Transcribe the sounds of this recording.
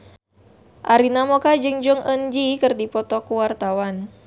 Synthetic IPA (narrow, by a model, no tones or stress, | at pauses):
ʔaɾinamɔkad͡ʒɨŋd͡ʒɔŋʔənd͡ʒikɨrdipɔt̪ɔkuwart̪awan